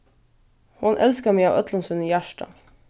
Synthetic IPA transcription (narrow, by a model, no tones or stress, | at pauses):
hʊnʔɛlskəmæɪɑːʔœt̪lənsʉniːjæʃʈɑ̰